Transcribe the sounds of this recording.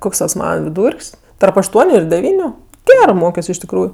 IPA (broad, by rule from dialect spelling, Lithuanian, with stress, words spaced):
ˈkoːks tɐs ˈmɑːnɐ ʋʲɪˈduːrʲkʲsʲ tɐrp ɐʃˈtuɔnʲʊ ɪr dʲɛˈʋʲiːnʲʊ ˈɡʲæːrɜ ˈmoːkʲoːs ɪʃ tʲɪkˈruːjʊ